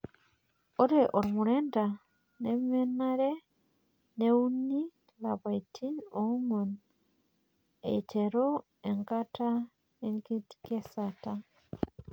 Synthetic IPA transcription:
oɾeʔoɾimuɾeːnda | nemenaɾe | neuni | laβaitʰiomon | ḛteɾo | eŋkatʰa | eŋkiti̥kesata

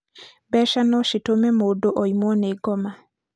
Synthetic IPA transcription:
bɛʃanɔʃitomɛmodoʔɔjimɔneɡɔma

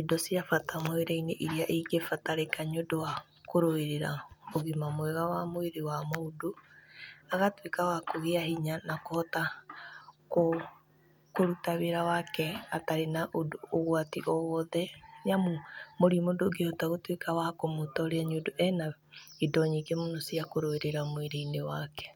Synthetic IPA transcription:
idɔsiafatamoeɾaineʔiɾiaʔeɡefataɾekaɲodowa | koɾoeɾeɾaoɣimamwɛɣawamoeɾewamoodo | aɣatwekawakoɣeaɦiɲanakohɔta | ko | koɾutaβeɾawakɛataɾenaʔodoɣwatiʔɔɣɔðɛnamomoɾimodoɡehɔtaɣotwekawakomotɔɾeaɲodoʔɛna | idɔɲikemonosiakoɾoeɾeɾamoeɾeinewakɛ̥

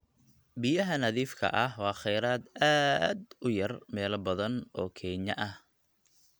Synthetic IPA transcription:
bɪjɐɦɐnɐðiːfkʰɐ̰ʔɐhwɑːχɛjɾaːd̪aːd̪ʊjɐrmɛːlɐbɐðɐnɔːkʰɛːɲɐʔɐh

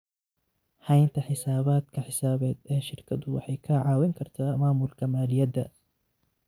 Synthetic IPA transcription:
hɐjnt̪ʰɐħɪsaːβaːd̪kʰɐħɪsaːβɛːd̪ɛːʃɪrkʰɐd̪ʊwɑ̰ħɑjkʰɐʕɑːwɪŋkʰɐrt̪ʰaːmaːmʊlkʰɐmaːlɪjɐd̪ɐ

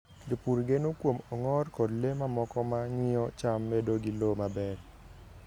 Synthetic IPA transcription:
ɡipuɾɡenokwomɔŋɔrkɔdlemamɔkɔmaŋɪɔt͡ʃamːedoɡilomabɛɾ

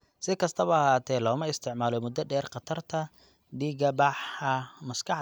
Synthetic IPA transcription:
sɪkʰɐst̪ʰɐβɐɐɦaːt̪ʰɛːlɔːmɐɪst̪ʰɪʕmaːlɔmʊd̪ɐɖɛːrqɑt̪ʰɐrt̪ʰɐ | ɖiːɡɐbɑħɐmɐskʰɑħ

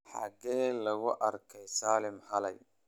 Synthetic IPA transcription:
ħɑ̰ɣɛːlɐɣʊʔɐrkʰɛjsaːlɪmhɐlɛj

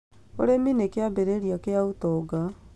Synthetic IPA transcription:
o̰ɾeminekeabeɾeɾjakeaut̪ɔɡa

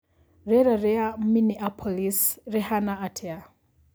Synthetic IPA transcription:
ɾɛɾaɾɛam̩miniʔapʰɔlisɾɛhanaatʰɛa

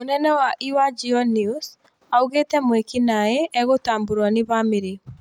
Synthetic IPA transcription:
monɛnɛwaʔiwad͡ʒiɔnius | auɣetɛmwekinaeʔɛɣotambuɾwanɪβamɪɾe

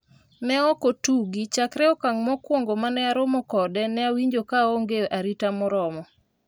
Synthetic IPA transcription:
nɛɔkotuɡit͡ʃakɾɛɔkaŋmɔkwoŋɡomanɛaɾomɔkɔdɛnɛawiɲd͡ʒokaoŋɡeʔaɾitamɔɾɔmɔ

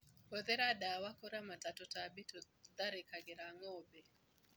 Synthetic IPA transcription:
oðɛɾaɗawakɔɾamatatɔtabitɔ | d̪aɾɪkaɡɪɾaŋɔbe

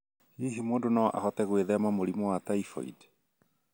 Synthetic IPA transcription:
hiːɦimoːndonaʔa̰hɔtɛɣweðɛamamoɾimɔwataifɔ̰ḭd

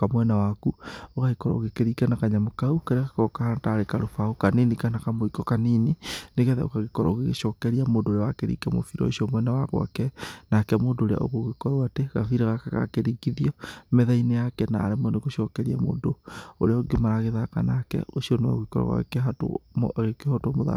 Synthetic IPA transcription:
amwɛnawakuoɣaikɔɾɔ̰oɣekeɾikanakaɲamokaukeɾaɣakɔkahantaɾekaɾofaokaninikanakamoikɔkaninineɣɛða̰o̰kaɣekɔɾa̰oɣeɣḛʃɔkɛɾiamoːndoːɾeawakeɾḭkamo̰fiɾɔ̰eʃiɔmwɛnawaɣw̰a̰kɛnakɛmoːndoːɾea̰o̰ɣoɣekɔɾoateɣa̰fiɾaɣakaɣa̰keɾiɡiðiɔmɛðainejakɛnaːɾemɔneɣoʃɔkɛɾiamo̰ːdoo̰ɾeaoɡemaɾaɣeðaka̰nakɛ̰osiɔnewa̰ɣikɔɾɔ̰ɣa̰ɣḛkeɦato̰ɣekehɔtmoða̰

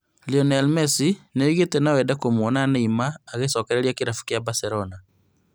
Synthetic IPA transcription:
liɔnɛlmɛsineoiɣetɛnawɛdakomwɔnanaimaːɣesɔkɛɾeɾiakeɾafu̥kjabasɛɾɔna

